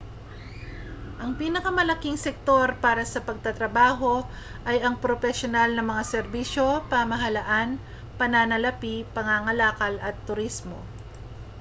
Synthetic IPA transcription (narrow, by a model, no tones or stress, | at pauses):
ʔɐŋpiːnɐkɐmɐlɐkiŋsɛk̚t̪o̞ɾpaːɾɐsɐpɐɡ̚t̪ɐt̪ɾɐbaːɦo̞ | ʔɐjʔɐŋpɾofɛsjonalnɐŋmɐŋasɛɾbiːʃo̞paːmɐɦɐlɐʔan | pɐnanɐlɐpipɐŋaŋɐlaːkɐlɐt̪ːʊɾismo̞̰